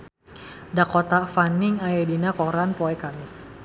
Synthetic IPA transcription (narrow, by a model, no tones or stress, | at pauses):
dakɔt̪afanɪŋaɛdinakɔɾanpɔɛkamɪs